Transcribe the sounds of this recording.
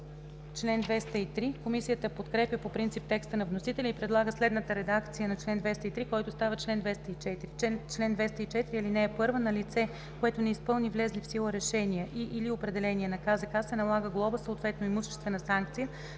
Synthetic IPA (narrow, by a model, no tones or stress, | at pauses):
t͡ʃlɛnd̪vɛst̪əit̪ɾikomisijət̪əpot̪kɾɛpjəpopɾint̪sip̚t̪ɛkst̪ənɐvnosit̪ɛlʲɛipɾɛd̪lˠaɡəslɛd̪nət̪əɾɛd̪akt̪sijənɐt͡ʃlɛnd̪vɛst̪əit̪ɾikɔjt̪ost̪avət͡ʃlɛnd̪vɛst̪əit͡ʃɛt̪iɾiɛt͡ʃlɛnd̪vɛst̪əit͡ʃɛt̪iɾiɐlinɛːpɤɾvənɐlit̪sɛ | koɛt̪onɛispɤlˠnivlɛzlifsilˠəɾɛʃɛnijəʔiʔːliopɾɛd̪ɛlɛniɛnɐkazəkasːɛnɐlˠaɡəɡlˠɔbəsəoːt̪vɛt̪noimuʃɛ̥st̪vɛnɐsaŋk̚t̪sijə